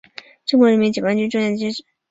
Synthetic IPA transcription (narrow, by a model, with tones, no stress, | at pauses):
ʈ͡ʂɤ˥˩ŋkwɔ˥ɻə˧˥nmi˥t͡ɕjwa˥nt͡ɕy˥ʈ͡ʂwja˥˩d̪ʰi˧˥ʂ̩˥